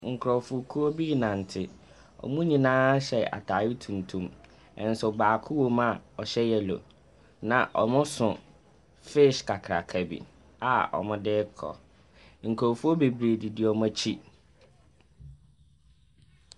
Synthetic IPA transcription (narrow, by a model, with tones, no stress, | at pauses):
ŋ̩˨kʰɾɔ˨fʊ˨kʰu˦ɔ˦bi˦nã˨n̩˨tʰɪ˦ | ɔ̰˨mũ˦ɲĩ˨nãː˦ɕɛ˨a̰˨tʰaː˨jɪ˦tʰũ˨ntʰũ˨m | ɛ̰̃˨n̩˦sʊ˨baː˨kʰʊ˦wo˦mã˦˨ɔ˨ɕɛ˦jɛ˨lo̰˨ | nã˨ʔɔ˨mʊ̃˦sʊ̃˨ | fe˦˨ʃkʰa˨kʰɾa̰˨kʰa˨bḭ˨ | a˨ɔ̰˨mʊ̃˦dɪː˦kʰɔ̰˨ | ŋ̩˨kʰɾɔ˨fu˦ɔ˦be˨bɾeː˨dɪ˨dɪ˦ɔ˨mã˦t͡ɕʰi˦